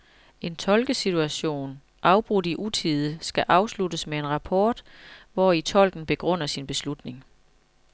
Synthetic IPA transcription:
ʔe̝nt͡sʰɒ̽lɡ̥əsit͡sʰuæɕo̝̰ːn | ʔɑ̈ʊb̥ʁudiʔut͡sʰið̞ˠəsɡ̥æʔɑ̈ʊslud̥əsmee̝nʁɑ̈pʰɒːd̥ʋɒit͡sʰɒ̽l̰ɡ̥n̩b̥e̝ɡ̥ʁɔn̰ɐsinb̥e̝slud̥ne̝ŋ

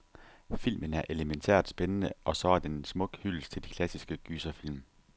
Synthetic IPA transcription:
fil̰mənæɐʔe̝ləment͡sʰḛɐ̰d̥sb̥enənəʔɒ̽sɒ̽æɐd̥ensmɔ̽ɡ̥hylst͡sʰe̝ld̥ikʰlæsisɡ̥əɡ̥yːsɐfil̰m

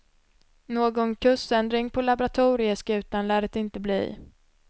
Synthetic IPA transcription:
noːɡɔnkʰɵsɛnd̪ɾɪŋpʰɔlabʊɾat̪ʰuːɾɪəskʉ̟ːt̪anlæːɾət̪ɪnt̪əblḭː

